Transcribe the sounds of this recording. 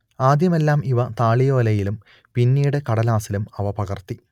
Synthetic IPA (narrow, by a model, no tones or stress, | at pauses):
aːd̪ʱjɐme̞lːaːmiʋɐt̪aːɭijo̞ːlɐjilum | pinːiːɽekɐɽɐlaːsilumɐʋɐpɐɣɐrt̪i